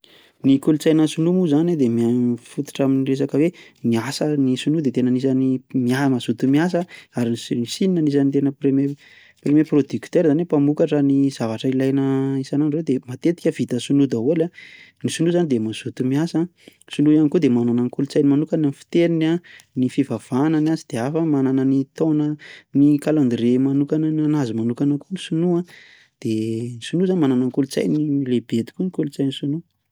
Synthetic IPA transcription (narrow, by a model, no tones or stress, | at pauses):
nikulut͡sajnəsunumuzaned̪emiafut̪u̥ʈ͡ʂaminires̬akəwe | miasənisunud̪et̪enənis̬animiamaz̥ut̪umias̬əaɾinisininanis̬anit̪enəpreme | premeprod̪ykt̪eɾzanepamukaʈ͡ʂəniz̥avaʈ͡ʂəilajnəisananred̪emat̪et̪i̥kʲəv̥it̪əsunud̪aola | nisunuzanid̪emaz̥ut̪umiasasunujanikud̪emanananikult͡sajnimanukananfi̥t̪eninanifivav̥ananazid̪̥eafəmananənit̪onənikaland̪iɾemanukanananazimanukanəkunisunua | d̪̥enisunuzanimananaŋkulut͡sa̰jnilebet̪i̥kunikulut͡sajnisunu